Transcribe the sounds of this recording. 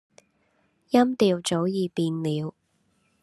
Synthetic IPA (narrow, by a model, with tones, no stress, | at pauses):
jɐ˥mt̪iː˧wt͡so˨˥wjiː˨˧piː˧nliː˨˧w